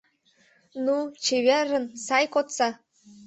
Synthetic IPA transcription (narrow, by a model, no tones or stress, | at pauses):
nut͡ɕeβeɾə̆nsɑjkot̪sɑ